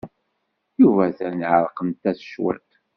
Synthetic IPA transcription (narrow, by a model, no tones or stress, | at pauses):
juvæθæniʕəɾˤqəmt̪ːæθʃwæ̰t̪